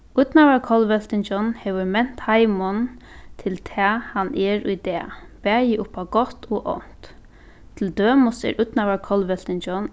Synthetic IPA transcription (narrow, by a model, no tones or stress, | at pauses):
ʊt̪naʋaɹkʰɔlʋɛlt̪ɪnd͡ʒɔnhɛːʋʏɹmɛn̥t̪hajmɔnt̪ʰɪlt̪ʰɛːhanʔɛɹʊjd̪ɛːb̥ɛːjɪʔʊpaɡɔht̪ɔːʔɔ̰n̥t̪ | t̪ʰɪld̪øːmʊsɛ̰ɹʊt̪naʋaɹkʰɔlʋɛl̥t̪ɪnd͡ʒɔn